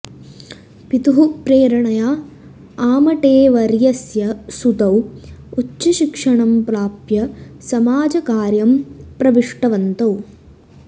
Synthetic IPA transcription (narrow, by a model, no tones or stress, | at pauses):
pit̪uɦupɾeːɾɐɳɐjaː | aːmɐʈeːʋɐɾjɐsjɐsut̪ɐwut͡ʃːɐʃikʂɐɳɐmpɾaːpjɐsɐmaːd͡ʒɐkaːɾjɐmpɾɐʋiʂʈɐʋɐnt̪ɐw